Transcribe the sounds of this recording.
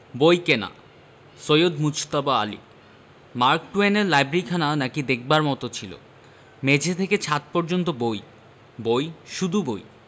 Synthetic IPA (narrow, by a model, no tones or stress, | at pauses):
bojkena̰ | sojod̪mud͡ʑt̪abaa̰lḭ | maɾk̚ʈueneɾlajbɾeɾikʰananakid̪ek̚baɾmɔt̪ot͡ɕʰilo̰ | med͡ʑʱet̪ʰeket͡ɕʰat̪̚pɔɾd͡ʑont̪oboj | bojʃud̪ʱuboj